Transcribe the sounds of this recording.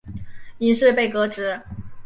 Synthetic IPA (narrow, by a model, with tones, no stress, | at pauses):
i˧˥ʂɻ̩˥˧pe˥˩ɪkɤ˧˥ʈ͡ʂɻ̩˧˥